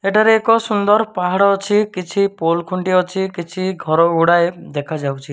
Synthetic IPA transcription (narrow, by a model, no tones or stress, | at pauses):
eʈaɾeːkɔsund̪ɔɾpaɦaɽɔːt͡ʃʰikit͡ʃʰipolkʰuɳʈiɔt͡ʃʰikit͡ʃʰiɡʱɔɾɔuɽaed̪ekʰad͡ʒawt͡ʃʰi